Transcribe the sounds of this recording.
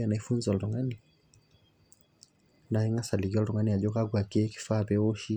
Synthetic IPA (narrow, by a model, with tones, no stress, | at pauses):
a˨na˨i˦fu˦nza˨lɾɔ˨ŋa˦ni | na˨ɛ˦ŋɡa˦sa˨li˨ɡi˦ɔlɾɔ˨ŋa˦ni˦a˨ʄɔ˦ka˦ɡwa˨kɛ˦ki̥˨fa˦pɛɔ˦ʃi˦